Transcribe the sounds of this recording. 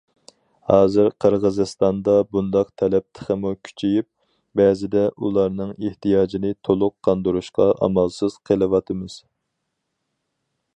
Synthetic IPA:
hɑːzɨɾqʰəɾʁəzɨst̪ɑnd̪ɑbund̪ɑq̚t̪ʰɛlɛp̚t̪ʰə̥χəmukʲʰy̥t͡ʃʰejyp̚ | bɛːzɪd̪ɛʔulˠɑɾnɨŋeht̪ʰijɑːd͡ʒinɪt̪ʰolˠʊqʰːɑnd̪uɾuʃqɑʔɑ̰mɑlˠsɨz̥qʰəlˠɨwɑt̪ʰɨmɨz̥

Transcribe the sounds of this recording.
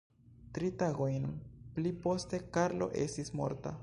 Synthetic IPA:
tɾitaɡo̞jnplipo̞ste̞kaɾlo̞̰ʔe̞̰stismo̞̰ɾta̰

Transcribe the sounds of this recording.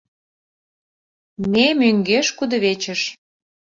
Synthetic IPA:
nemyŋɡeʃkud̪ə̆βet͡ɕə̆ʃ

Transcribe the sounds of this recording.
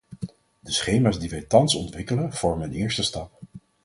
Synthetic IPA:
dəsχejmaːzdiʋɛjtɑnsɔntʋɪkələnv̥ɔɹməənɪːɹstəstɑp̚

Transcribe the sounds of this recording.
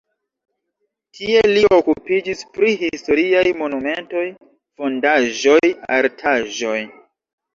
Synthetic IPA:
tʰie̞liokupid͡ʒispɾiɦisto̞ɾiajmo̞nume̞nto̞j | fo̞ndaʒo̞ja̰ɾtʰaʒo̞j

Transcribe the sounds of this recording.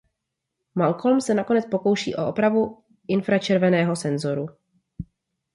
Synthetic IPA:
malkolmsɛnakonɛt͡spo̞ko̞wʃḭːʔo̞̰ʔopɾavu | ʔɪnfɾat͡ʃɛɾvɛnɛːɦo̞sɛnzo̞ɾu

